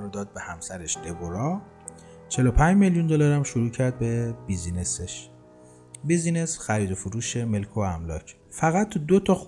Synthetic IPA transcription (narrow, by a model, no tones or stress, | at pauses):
ɾod̪ɒːd̪̚be̞hæmsæɾeʃd̪̥e̞boɾɒː | t͡ʃʰe̞lopʰænd͡ʒmeljund̪olɒɾæmʃuɾuːcʰæɾd̪̚be̞bizineseʃ | bizinesxæɾiːd̪ofuɾuːʃe̞me̞lkʰoæmlɒːcʰ | fæɣæt̪ʰːud̪ot̪ʰɒx